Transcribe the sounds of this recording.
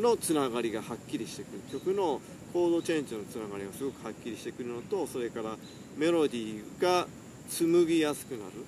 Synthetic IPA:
no̞t͡sɨnaɡaɾʲiɡahakʲːiɾʲiɕi̥t̪e̞kɯ̟ɾɯ̟kʲo̞kɯ̟no̞ | kʰo̞ːd̪o̞t͡ɕẽ̞ɲd͡ʑɨno̞t͡sɨnaɡaɾʲiɡasɨɡo̞kɯ̟hakʲːiɾʲiɕi̥t̪e̞kɯ̟ɾɯ̟no̞t̪o̞so̞ɾe̞kaɾa | me̞ɾo̞d̪ʲiːɡ̥a | t͡sɨmɯ̟ɡʲijasɨ̥kɯ̟na̰ɾɯ̟

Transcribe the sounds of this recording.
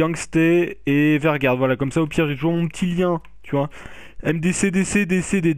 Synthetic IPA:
ɑ̃ŋɡst̪eevɛʁɡʲaʁd̪vwalakɔmsaopjiʁʒet̪uʒuʁmɔ̃pət̪ʰiljɛ̃ | t̪yvwa | ɛmd̪esed̪esed̪esed̪e

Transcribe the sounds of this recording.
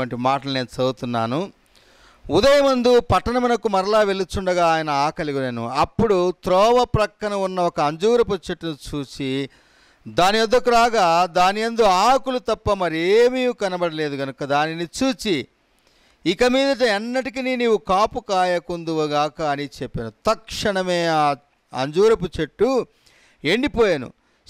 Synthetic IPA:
ɐɳʈimaːʈɐluneːnut͡ʃɐɡut̪unːa̰ːnu | ud̪ɐjɐmɐnd̪upɐʈːɐnɐmɐnɐkumɐɾɐlaːʋe̞lut͡ʃːuɳɖɐɡaːjɐnɐaːkɐliɡuneːnṵɐpːuɽut̪ɾɔːʋɐpɾɐkːɐnɐunːɐɔkɐːɲd͡ʒuːɾɐpot͡ʃːɐʈːinit͡ʃuːt͡ʃi | d̪aːnijɐd̪ːɐkːuɾaːɡaːd̪aːnijɐnd̪oaːkulut̪ɐpːɐmɐɾieːmiukɐnɐbɐɽɐle̞ːd̪uɡɐnukɐd̪aːninit͡ʃuːt͡ʃi | kɐmiːd̪ɐʈ̬ɐɛnːɐʈ̬ikininiːwukaːpukaːjɐkund̪uʋɐɡaːkɐɐnit͡ʃepːenut̪ɐkʂɐɳɐme̞ːaː | ɐ̰ɲd͡ʒuːɾɐput͡ʃeʈːu | e̞ɳɖipɔːjɐnṵ

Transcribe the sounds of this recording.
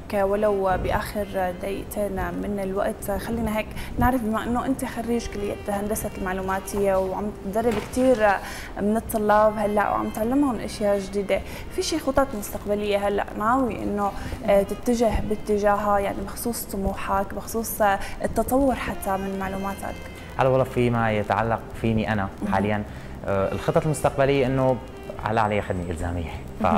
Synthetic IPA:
walawbɪʔaːxɪɾd̪aʔḭːʔt̪ʰemɪnɪlwa̰ʔt̪xalːiːnaɦeːknɪʕɾɑfbɪmaʔɪnːoʔɪnt̪ixarːiːʒkɪlːɪjːḛt̪hand̪asat̪ɪlmaʕluːmaːt̪hɪjːewʕa̰md̪ɑrˤːɪbkt̪iːɾ | mɪnɨt̪ˤːʊlːɑːbhalːa̰ʔwʕa̰mt̪ʕalːɪmhʊnʔa̰ʃjaːʒd̪iːd̪e | fiʃiːxʊt̪ˤːɑːt̪lmʊst̪aqbalɪjːeɦalːa̰ʔnʕaːwiʔɪ̰nːot̪ɪt̪ːaʒɪhbɪt̪ːɪʒaːɦajaʕnibɪxsˤuːsˤt̪ˤːʊmuːħakbɪxsˤuːsˤɪt̪ːɑt̪ˤɑwːʊɾħat̪ːamɪnmaʕluːmaːt̪ʰa̰k | ʕa̰lawɑlˤɑːʔfimajɪt̪ʕa̰lːaqfiːniʔanaħa̰ːlɪjːan | ɪ̰lxɨt̪ˤːɑlmʊst̪aq̚balɪjːeʔɪnːo | ʕa̰laʕaleːʔħad̪niʔɪ̰lza̰ːmɪ̰jːe | fa̰

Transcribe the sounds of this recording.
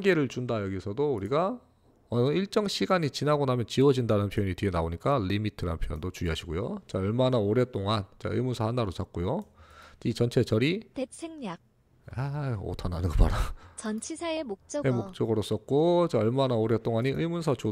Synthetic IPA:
ɡe̞ɾɯɭt͡ɕundajʌɡisʰʌdouɾiɡa | ʌnɯiɭt͡ɕ͈ʌŋɕʰiɡaɲit͡ɕinaɡonamjʌnt͡ɕiwʌd͡ʑindanɯnpʰjʌɲiteɡenaoɲik͈alimitʰɯɾa̰npʰjʌjʌ̰ndot͡ɕuiɦaɕʰiɡojot͡ɕaʌɭmanaoɾe̞t͈oŋant͡ɕa̰ɯ̰jmunsʰʌhanːaɾot͡ɕak̚k͈ojo | it͡ɕʌnt͡ɕʰe̞t͡ɕʌɾitesʰeŋɲak̚ | ao̰tʰanɦanɯnɡʌpa̰ɾat͡ɕʌnt͡ɕʰisʰaemok̚t͡ɕ͈ʌemok̚t͡ɕ͈ʌɡɯɾʌs͈ʌk̚k͈ot͡ɕaʌɭmanaoɾe̞t͈oŋaɲiʔɯjmunsʰʌt͡ɕo

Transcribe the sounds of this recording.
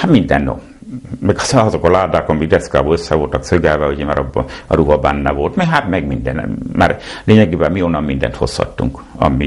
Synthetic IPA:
hat̪mind̪ɛ̰nːo̰ | mɛɡɒzokɒlaːd̪aːkɒmiɡd̪ɛskaːboløsːɛʋo̞lt̪ɒksøɡɛlʋɛuɟɛmaːɾɒbɒɾuɦɒbɛnːɛʋo̞lt̪mɛɦat̪mɛɡmind̪ɛnma̰ːrleːɲɛɡeːbɛmionɒmmind̪ɛ̰nt̪ho̞̰shɒ̰t̪ːṵŋkɒ̰mi

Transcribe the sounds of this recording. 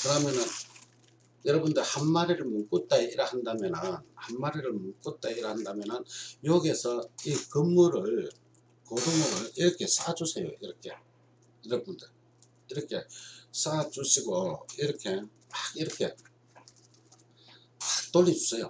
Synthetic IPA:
kɯɾamjʌnɯn | jʌɾʌbundɯɭhanmaɾiɾɯɭmunk͈ut͈aiiɾahandamjʌnɯnhanmaɾiɾɯɭmunk͈ut͈aiɾahandamjʌnɯnjoɡesʰʌikɯmːuɾɯɭ | kodɯmuɾɯɭiɾʌkʰe̞s͈ʰad͡ʑusʰe̞jo̰iɾʌkʰe̞ | iɾʌbundɯɭ | iɾʌkʰe̞̰s͈ʰad͡ʑuɕʰiɡoiɾʌkʰe̞maɡiɾʌkʰe̞ | mak̚t͈olːid͡ʑusʰejo̰

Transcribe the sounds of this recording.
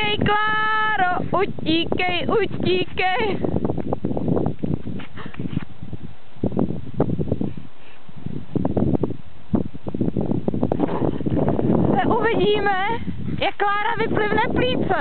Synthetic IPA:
ɛjklaːɾoʔuciːkɛjʔuciːkɛj | sɛʔuvɪɟiːmɛ | jakːlaːɾavɪplɪvnɛpliːt͡sɛ

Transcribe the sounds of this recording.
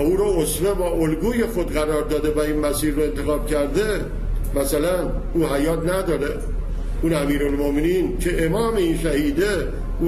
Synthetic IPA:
uːɾoosvebɒːʔolɡuːje̞xod̪ɢæɾɒːɾd̪ɒːd̪evæiːnmæsiːɾːoe̞nt̪ʰexɒːb̥̚cʰæɾd̪e | mæsælæn | uːhæjɒːt̪ʰnæd̪ɒːɾe | unæmiːɾolmomeniːncʰe̞ʔemɒːme̞inʃæhiːd̪e | uː

